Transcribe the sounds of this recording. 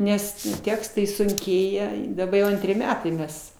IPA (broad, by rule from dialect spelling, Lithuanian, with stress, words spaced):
ˈnʲɛs ˈtʲæːkstɐɪ sʊŋʲˈkʲeːjɛ ɪ dɐˈbɐ jɛʊ ˈɐnʲtʲrʲɪ ˈmʲæːtɐɪ ˈmʲɛs